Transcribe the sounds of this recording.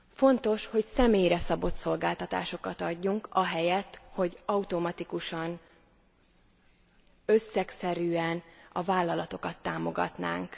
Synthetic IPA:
fo̞nt̪o̞ʃho̞csɛmeːjɾɛsɒbo̞t̪so̞lɡaːlt̪ɒt̪a̰ːʃo̞kɒt̪ɒɟːuŋkɒɦɛjɛt̪ho̞ɟɒut̪omɒt̪ikuʃɒn | øsːɛksɛɾyːɛnɒvaːlːɒlɒt̪o̞kɒt̪ːaːmo̞ɡɒ̰t̪na̰ːŋk

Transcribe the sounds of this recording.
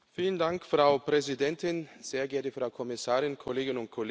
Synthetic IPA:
fiːləndaŋkfʁ̥aʊpʁ̥ɛzidɛntʰɪnz̥eːɐɡɛɐtəfʁ̥aʊkʰɔmɪsaːʁɪnkʰɔleːɡɪnʊnt̚kʰɔlː

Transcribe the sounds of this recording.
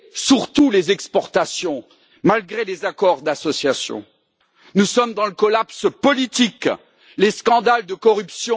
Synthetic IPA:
syʁt̪ulezɛkspɔʁt̪asjɔ̃ | malɡʁelezakɔʁd̪asɔsjasjɔ̰̃ | nusɔmd̪ɑ̃ləkɔlapspɔlit̪ik | leskɑ̃d̪ald̪əkɔʁypsjɔ̃

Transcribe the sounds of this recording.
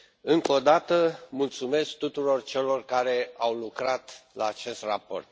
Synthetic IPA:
ɨŋko̞d̪at̪əmult̪sume̞sk̚t̪ut̪uɾo̞rt͡ʃe̞lo̞rkaɾe̞awlukɾat̪laːt͡ʃe̞st̪rapo̞̰rt̪̚

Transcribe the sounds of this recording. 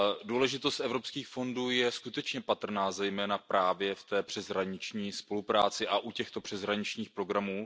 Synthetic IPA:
duːlɛʒɪt̪o̞st̪ʔɛvɾo̞pskiːxfo̞nduːjɛskut̪ɛt͡ʃɲɛpat̪r̩naːzɛjmɛːnapɾaːvjɛft̪ɛːpr̥ɛzɦɾaɲɪt͡ʃɲiːspo̞lupɾaːt͡sɪʔaʔucɛxt̪o̞pr̥ɛzɦɾaɲɪt͡ʃɲiːxpɾo̞ɡɾamuː

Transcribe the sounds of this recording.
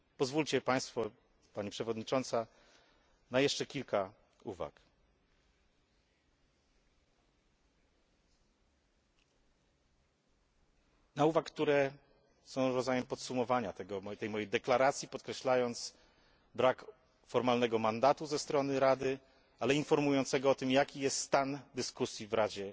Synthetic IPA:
pɔzvult͡ɕɛpaj̃st̪fɔ | paɲipʂɛvɔd̪ɲit͡ʂɔnt̪sa | najɛʂt͡ʂɛkʲilka | uva̰k | nauvakkːt̪uɾɛ | sɔ̃w̃ɾɔd̪zajɛmpɔt̪sumɔvaɲat̪ɛɡɔt̪ɛjmɔjejd̪ɛklaɾat̪sʲjipɔt̪kɾɛɕlajɔnt̪s | bɾak | fɔɾmalnɛɡɔmand̪at̪uzɛst̪ɾɔnɘɾad̪ɘ | alɛinfɔɾmujɔnt̪sɛɡɔɔt̪ɘmjakʲijɛst̪st̪and̪ɘskusʲjivɾad͡ʑɛ

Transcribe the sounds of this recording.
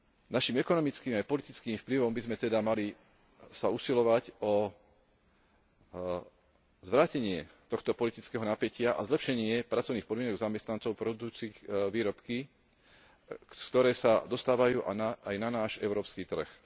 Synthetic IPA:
naʃimɛkɔnɔmit͡skiːmajpɔlit̪it͡skiːmfpliʋɔmbizmɛt̪ɛd̪amali | sausilɔʋaɟɔ | zʋɾaːcɛɲɪɛt̪ɔxt̪ɔpɔlit̪it͡skɛːɦɔnapɛcɪaʔa̰zlɛpʃɛɲɪɛpɾat͡sɔʊniːxpɔd̪mɪɛnɔɡzamɛst̪nant͡sɔʊpɾɔbud̪uːt͡siːxʋiːɾɔpki | kt̪ɔɾɛːsad̪ɔst̪aːʋajuːʔa̰naːjnanaːʒɛ̰ʊɾɔːpskiːt̪r̩x

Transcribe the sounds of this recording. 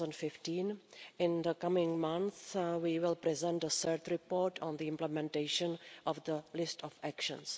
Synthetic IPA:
ə̃ndfɪftĩːnɪ̃nd̪əkamɪ̃ŋmãnθwiːwɪlpɾɛzɛ̃ntəsəːɾt̪ɾɪpɔːɹtʰɔ̃nd̪iɪ̃mplɛmɛ̃nteɪʃə̃nʔɔvd̪əlɪstʰɔfækʃə̰̃ns

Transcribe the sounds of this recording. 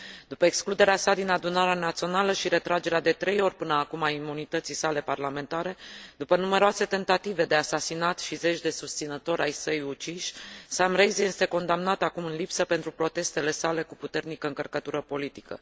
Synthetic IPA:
d̪upəeksklud̪e̞ɾeasad̪inad̪unaɾeanat̪sio̞naləʃiɾe̞t̪ɾad͡ʒe̞ɾead̪e̞t̪ɾe̞jo̞rʲpɨnəakumaimunit̪ət̪sisale̞parlament̪aɾe̞d̪upənume̞ɾoase̞t̪e̞nt̪at̪ive̞d̪easasinat̪ʃize̞t͡ʃʲd̪e̞sust̪sinət̪o̞ɾʲʔajsəjut͡ʃiʃʲsamrejzje̞st̪e̞ko̞nd̪amnat̪akumɨnlipsəpe̞nt̪ɾupɾo̞t̪e̞st̪e̞le̞sale̞kuput̪e̞rnikəɨŋkərkət̪uɾəpo̞lit̪ikə̰

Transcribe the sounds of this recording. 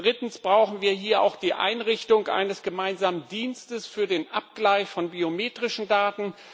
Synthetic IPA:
d̥ʁɪtn̩sb̥ʁaʊxn̩viːɐɦiːɐʔa̰ʊxd̥iːʔa̰ɪnʁɪçtʊŋʔa̰ɪnəsɡ̥əmaɪnzaːməndiːnstəsfyːɐdeːnʔap̚ɡ̥laɪçfɔnbiomeːtʁ̥ɪʃn̩daːtn̩

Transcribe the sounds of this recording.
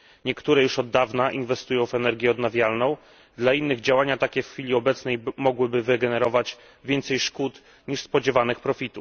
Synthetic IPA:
ɲɛkt̪uɾɛjuʂɔd̪ːavnaʔinvɛst̪ujɔ̃w̃vɛnɛɾɡʲjɛɔd̪navʲjalnɔ̃w̃ | d̪lainːɘɣd͡ʑawaɲat̪akʲɛfxfʲilʲiɔbɛt̪snɛjmɔɡwɘbɘvɘɡɛnɛɾɔvat͡ɕ | vʲjɛnt̪sɛjʂkut̪ | ɲiʂspɔd͡ʑɛvanɘxpɾɔfʲit̪u

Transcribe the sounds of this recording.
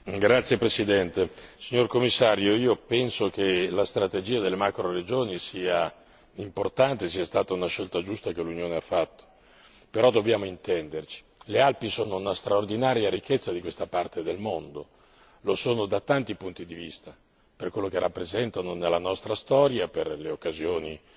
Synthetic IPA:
ɡɾat̪sːjepɾesid̪ɛnt̪esiɲorkomːisːaːɾjoiːopɛnsok̟elast̪ɾat̪ed͡ʒiːad̪elːemakɾored͡ʒoːnisiːa | import̪ant̪esiːast̪aːt̪aunaʃːelt̪ad͡ʒust̪akelunjoːneafːat̪ːo̥ | peɾɔd̪objaːmoint̪ɛnd̪ert͡ʃi̥lealpisoːnounast̪ɾaord̪inaːɾjaɾikːet̪sːad̪ikwest̪apart̪ed̪elmond̪o | losoːnod̪at̪ant̪ipunt̪id̪ivist̪a | perkwelːok̟erːapːɾezɛnt̪anonelːanɔst̪ɾast̪ɔːɾjaperleokːazjoːni

